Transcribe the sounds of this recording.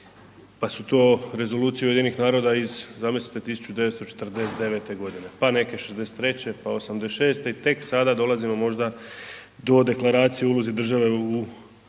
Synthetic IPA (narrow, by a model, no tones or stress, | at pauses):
pasut̪o̞ːɾe̞zo̞luːt̪sijeujd̪ienixnaːɾo̞d̪aizzamise̥t̪et̪isu̥t͡ɕud̪e̞ʋet̪st̪o̞t͡ʃet̪r̩d̪e̞set̪e̞ʋe̞t̪e̞ɡo̞d̪ine̞pane̞ke̞ʃezd̪e̞set̪ːɾe̞t͡ɕe̞paosamd̪e̞ʃe̞ːst̪e̞it̪e̞ksad̪ad̪o̞lazimo̞mo̞ʒd̪a | d̪o̞d̪e̞klaɾaːt̪sijeulozid̪r̩ʒaʋe̞u